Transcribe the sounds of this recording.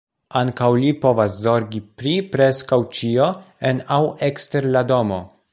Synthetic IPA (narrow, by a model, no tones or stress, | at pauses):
aŋkawlipo̞vaszo̞ɾɡipɾipɾe̞skawt͡ʃio̞enawekste̞ɾlado̞mo̞̰